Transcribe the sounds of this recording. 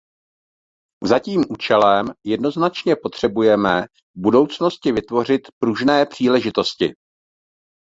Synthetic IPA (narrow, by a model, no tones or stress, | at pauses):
zaciːmʔuːt͡ʃɛlɛmjɛdno̞znat͡ʃɲɛpo̞t̪r̝̥ɛbujɛmɛ | vbudo̞wt͡sno̞scɪvɪt̪vo̞r̝ɪt̪pɾuʒnɛːpr̝̥iːlɛʒɪt̪o̞scɪ